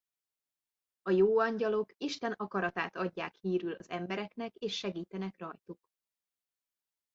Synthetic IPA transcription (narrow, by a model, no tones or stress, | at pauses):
ɒjoːɒɲɟɒlo̞kiʃt̪ɛnɒkɒɾɒt̪a̰ːt̪ɒɟːaːkhiːɾylɒzɛmbɛɾɛkn̪ɛkeːʃːɛɡiːt̪ɛnɛkrɒjt̪uk